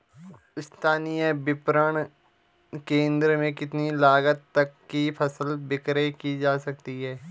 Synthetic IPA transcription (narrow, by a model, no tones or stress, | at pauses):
ɪst̪ʰaːnijəbɪpɾəɳ̃ | kẽːnd̪ɾəmẽkɪt̪nilaːɡət̪ːɐkːipʰɐsəlbɪkɾekid͡ʒaːsɐk̚t̪iɦɛː